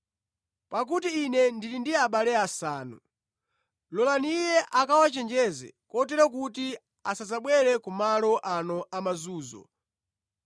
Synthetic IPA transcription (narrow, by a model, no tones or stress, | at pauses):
pak̬utiːnɛndilindiaɓalɛasaːnṵ | lɔlaniːjɛʔakawat͡ʃɛnd͡ʒɛzɛ̰kɔtɛɾɔk̬uti | asazaɓwɛɾɛkumalɔʔanɔʔamazuːzɔ̰